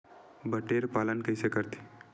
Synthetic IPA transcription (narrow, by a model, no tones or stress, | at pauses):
bəʈeɾpalənkəjsekəɾt̪e̥